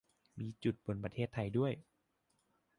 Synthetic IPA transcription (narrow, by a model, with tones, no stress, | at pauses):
miː˧t͡ɕu˨˩t̪̚bo˧˩npɾa˧t̪ʰeː˥˩t̪ʰːa˧jdu˥˩əj